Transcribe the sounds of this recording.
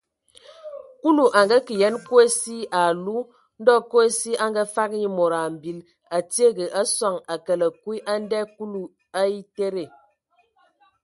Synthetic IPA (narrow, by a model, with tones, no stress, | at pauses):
ku˦lu˨ʔa˨ŋɡa˦ki˨jɛ˨˦nku˦e˦si˦a˨lu˦ | n̩˦dɔ˦ko˦e˦si˦a˦ŋɡa˦fa˦k̚ɲi˦mo˨ɾa˨m̩˨bi˨˦l | a˨ti˦e˦ɡə˨ʔa˦swa˨ŋa˨kə˨lə˨kwi˦ʔa˦n˦dɛ˦ku˦lu˨ | a˦i˦te˦ɾe˨